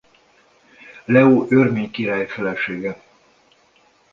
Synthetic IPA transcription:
lɛoːʔørmeːɲkiɾaːjfɛlɛʃeːɡɛ

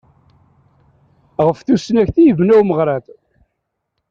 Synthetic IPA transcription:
ʁəfθusnæçθijəvnæwməʁɾˤat̪

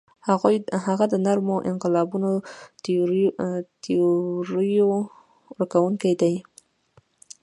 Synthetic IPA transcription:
haɣujhaɣad̪ənaɾmoʔɪ̰nqɪlɑbuno | t̪oɾijo | ɾakawuŋkajd̪aj

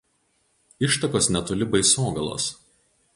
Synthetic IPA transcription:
ɪʃt̪ɐkoːsnʲɛt̪ʊlʲɪbɐɪsoːɡɐlˠo̰ːs

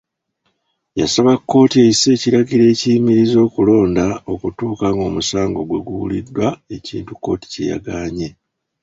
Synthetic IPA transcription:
ja̰saβakːo̞ːtie̞ise̞ːciɾaɡiɾe̞ːcijmiɾizo̞ːkulo̞ːndao̞kutuːkaŋɡo̞ːmusaːŋɡo̞ɡwe̞ɡuwulidwae̞ciːntukːo̞̰ːti̥ce̞̰ja̰ɡaːɲe̞

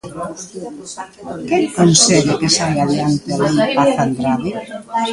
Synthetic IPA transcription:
kɛŋkonsɛɣekesalaðeant̪aliaθand̪ɾaðe

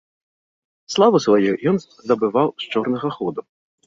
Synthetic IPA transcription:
slˠavɨsvajujɔn | d̪ɐbɨvawst͡ʂɔrnɐɣɐxɔd̪u

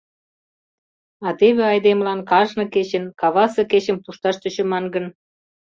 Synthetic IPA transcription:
ɑt̪eβeɑjd̪emlɑnkɑʒnɤ̆ket͡ɕənkɑβɑsɤ̆ket͡ɕə̆mpuʃt̪ɑʃt̪ə̆t͡ɕə̆mɑnɡə̆n

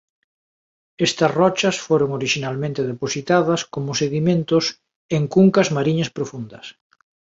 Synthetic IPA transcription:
ɛst̪ɐsrɔt͡ʃɐsfoɾoŋoɾiʃinalmẽnt̪eðeposit̪að̞ɐskomʊseɣimẽnt̪ʊs | eŋkuŋkɐzmaɾiɲɐspɾofund̪ɐs

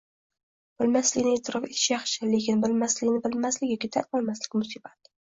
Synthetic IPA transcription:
b̥ɪlmaslɪkʲnɪet̪ʰɪɾʔɑfe̞t̪ʰɪ̥ʃjɑχʃɪle̞kʲɪnbɪlmaslɪkʲnɪbɪlmaslɪkʲjɔkʲit̪ʰaɒlˠmaslɪkʲmʊsibat̪

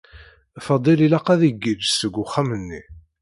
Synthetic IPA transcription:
fɑd̪ˤililɑqæðiɡːid͡ʒsəɡʷːʊχːæmənːi

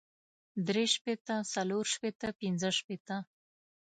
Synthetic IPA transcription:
d̪ɾeʃpet̪əsaloɾʃpet̪əpinzəʃpet̪ə

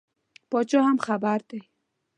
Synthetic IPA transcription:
pɔt͡ʃɔhamxabaɾd̪e

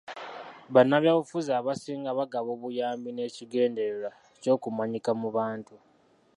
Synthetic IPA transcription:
βanːaβjaβufuzaːβasiːŋɡaβaɡaβo̞ːβujaːmbine̞ːciɡe̞ːnde̞eɾa | co̞ːkumaɲikamuβaːntu

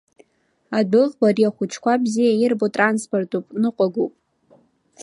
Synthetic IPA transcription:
adɨʁbariaχʷʊt͡ʃʰkʷabzijairbotʼransportʰʼupʼnɨqʷʼaɡupʼ

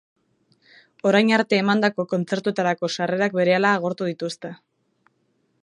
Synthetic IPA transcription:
o̞ɾajɲaɾt̪e̞ːmand̪ako̞ko̞nt͡se̞ɾt̪ue̞t̪aɾako̞sare̞ɾak̚be̞ɾe̞alaːɣ̞o̞ɾt̪uð̞it̪ust̪e̞

